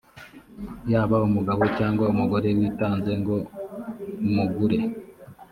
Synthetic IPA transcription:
jaːβaumuɡaβo̞caːŋɡwaumuɡo̞ɾe̞wiːtaːnze̞ŋɡo̞ | muɡuɾe̞

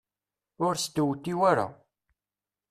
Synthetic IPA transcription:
ʊɾsd̪əwt̪ːiwæɾa̰

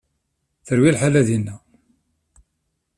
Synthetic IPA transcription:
θəɾwilħalæðinːæ

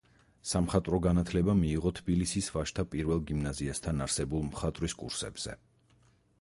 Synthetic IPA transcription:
samχat̪ʼɾɔɡanat̪ʰlɛbamiːʁɔt̪ʰb̥ilisisvaʃt̪ʰapʼiɾvɛlˠɡimnaziast̪ʰanaɾsɛbulˠmχat̪ʼɾiskʼṵɾsɛ̰bz̥ɛ̰

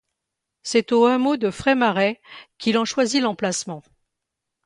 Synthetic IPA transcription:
sɛt̪oɛ̃mod̪əfχɛmaʁɛkʰilɑ̃ʃwazilɑ̃plasmɑ̃

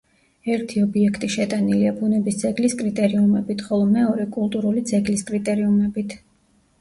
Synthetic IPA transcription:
ɛɾt̪ʰiɔbiɛkʰt̪ʼiʃɛt̪ʼaniliabunɛbisd̪z̥ɛɡliskʼɾit̪ʼɛɾiumɛbit̪ʰχɔlˠɔmɛɔɾɛkʼulˠt̪ʼuɾulid̪zɛɡliskʼɾit̪ʼɛɾiumɛbit̪ʰ

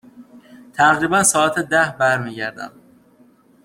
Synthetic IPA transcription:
t̪ʰæɣɾiːbænsɒːæt̪ʰed̪æhbæɾmiːɟæɾd̪æ̰m

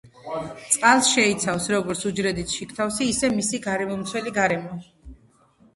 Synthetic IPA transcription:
t̪sʼqʼalˠsʃɛit̪sʰafsɾɔɡɔɾt̪sʰud͡ʒɾɛd̪it̪ʰʃikʰt̪ʰafsiːsɛmisiɡaɾɛmɔmt̪sʰwɛliɡaɾɛmɔ

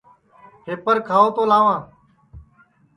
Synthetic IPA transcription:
pʰeːpəɾkʰaːoːt̪oːlaːʋãː

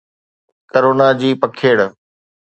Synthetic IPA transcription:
kəɾoːnad͡ʑiːpɐkʰeːɽ

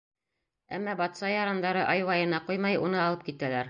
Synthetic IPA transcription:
æ̰mːɑbɒt̪sɑjɒɾɑnd̪ɑɾɤʔɑjwɑjɤ̆nɑqujmɑjunɤɒlˠɤp̚kit̪ælæɾ

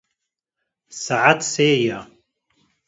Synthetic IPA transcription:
saʕat̪seːja

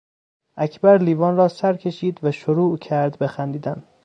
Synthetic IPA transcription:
ʔækʰbæɾliːvɒːnrɒːsæɾcʲʰe̞ʃiːd̪væʃoɾuːcʰæɾd̪be̞xænd̪iːd̪æn

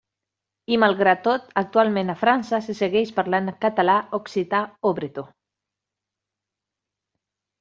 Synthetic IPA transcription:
imalˠɣɾat̪ːot̪ak̚t̪ualmẽnafɾansaseseɣeʃpaɾlankat̪alaoksit̪aoβɾet̪o

